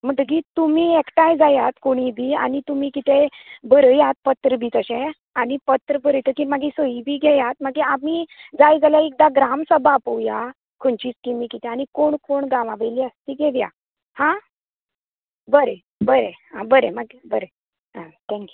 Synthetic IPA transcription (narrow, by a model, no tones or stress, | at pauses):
m̤əʈəɡit̪umiːekʈajd͡zajat̪koɽ̃ibʱiːa̰ñit̪umiːkit̪ebəɾəjat̪̚pət̪ɾəbʱiːt̪əɕẽ | anipət̪ɾəbəɾəjt̪əkimaɡisoibʱiːɡʱejat̪̚maɡiamid͡zajd͡zaljaek̚d̪aɡɾamsəbapəwja | kʰoɳt͡ɕiːt͡skimikit̪ʰẽañikoɳkoɳɡãʋaʋeliəst̪iɡeʋja̰ | hã | bəɾe | bəɾeɦãbəɾeməɡebəɾe | ɦãt̪ʰɛ̃ŋkju